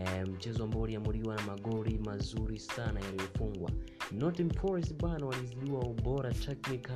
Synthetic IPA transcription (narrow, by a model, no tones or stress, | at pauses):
m̩t͡ʃɛzɔambauliamuɾiwanamaɠɔɾimazuɾisanajalijɔfuŋɡwa̰nɔtimpʰɔɹis̬ɓwanawaniziɗuwauɓɔɾatʰɛknika